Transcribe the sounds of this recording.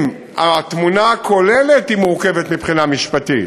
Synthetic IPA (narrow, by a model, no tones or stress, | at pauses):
m | at̪munakʰo̞lelet̪imuʁkevet̪mipχinamiʃpat̪it